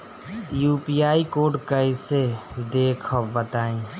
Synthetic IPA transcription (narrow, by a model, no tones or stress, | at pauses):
juːpiaːikoːʈkəɪsed̪eːkʰəbət̪aːĩː